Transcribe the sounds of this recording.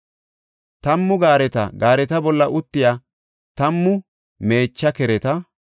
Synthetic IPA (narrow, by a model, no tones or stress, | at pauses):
t̪ɐmːʊɡaːɾɛt̪ɐ̰ɡaːɾɛt̪ɐbɔlːɐʔʊt̪ːɪjaː | t̪ɐmːʊ | me̞ːt͡ʃːɐkɛɾɛt̪ɐ